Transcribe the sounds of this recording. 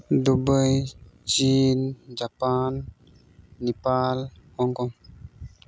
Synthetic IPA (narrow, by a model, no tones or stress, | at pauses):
d̪ubəjt͡ʃind͡ʒapanː | ɛpalhɔŋkɔŋ